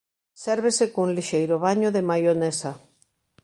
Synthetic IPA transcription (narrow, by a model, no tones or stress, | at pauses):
sɛɾβesekounliʃejɾoβ̞aɲoðemajonesa